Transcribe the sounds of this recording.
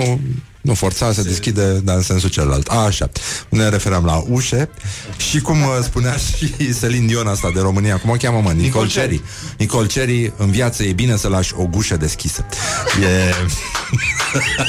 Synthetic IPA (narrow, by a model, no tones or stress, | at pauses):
nu | nufo̞rt̪sas̬əd̪eskʲid̪e̞d̪aɨnse̞nsut͡ʃella̰lt̪aʃa̰ne̞ɾe̞fe̞ɾeamlaʔuʃe̞ʃikumspuneaʃiselind̪io̞nast̪ad̪eɾo̞mɨnijakumokʲaməmɨnnkolt͡ʃeɾi | nikolt͡ʃe̞ɾiɨnvjat̪səje̞bine̞səlaʃʲo̞ɡuʃəd̪e̞skʲisəje